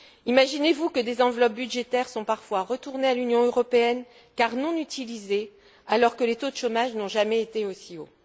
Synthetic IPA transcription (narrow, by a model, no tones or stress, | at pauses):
imaʒinevukəd̪ezɑ̃vlɔp̚byd̪ʒet̪ɛʁsɔ̃paʁfwaʁət̪uʁnealynjɔ̃øʁɔpeɛn | kaʁnɔ̃nyt̪ʰilize | alɔʁkəlet̪od̪əʃomaʒnɔ̃ʒamɛet̪eosio